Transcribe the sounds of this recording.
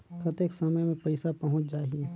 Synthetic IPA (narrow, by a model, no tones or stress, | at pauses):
kʰɐt̪eksɐməjmẽpɐɪsapɐɦʊ̃t͡ʃd͡ʒaːɦie